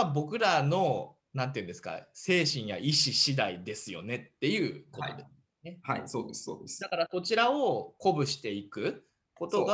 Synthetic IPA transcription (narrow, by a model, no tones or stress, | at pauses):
abo̞kɯ̟ɾano̞ | nãnt̪eiɯ̟̃nd̪e̞sɨ̥ka̰se̞ːɕĩɰ̃ja̰ʔiɕiɕid̪aid̪e̞sɨjo̞̰ne̞t̪ːe̞jɯ̟ːkot̪od̪es | ne̞haisoːd̪eso̰ːd̪esd̪akaɾako̞t͡ɕiɾao̞ko̞bɯ̟ɕi̥t̪e̞ikɯ̟ | ko̞t̪o̞ɡa